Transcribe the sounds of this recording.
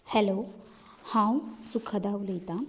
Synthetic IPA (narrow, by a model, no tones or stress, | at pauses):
hɛlo | hãw̃sukʰɐd̪aulet̪a